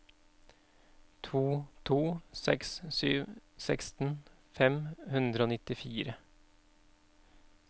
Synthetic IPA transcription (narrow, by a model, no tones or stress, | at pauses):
t̪ʰuːt̪ʰuːsɛkssyːʋsɛkst̪n̩ | fɛmhʉnd̪ɾəoːnɪt̪ɪfiːɾə